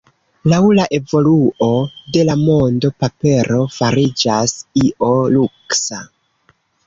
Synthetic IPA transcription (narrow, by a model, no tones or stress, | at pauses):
lawlaʔe̞vo̞luo̞de̞lamo̞ndo̞pape̞ɾo̞faɾid͡ʒasiʔo̞luksa